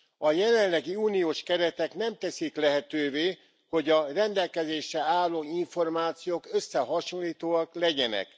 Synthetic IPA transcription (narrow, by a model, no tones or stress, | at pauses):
ɒjɛlɛnlɛɡiuːnijoːʃkɛɾɛt̪ɛkn̪ɛmt̪ɛsiklɛɦɛt̪øːveː | ho̞ɟɒrɛnd̪ɛlkɛzeːʃɛaːlːoːiɱfo̞rmaːt̪sijoːkøsːɛɦɒʃonliːt̪oːɒklɛɟɛnɛ̰k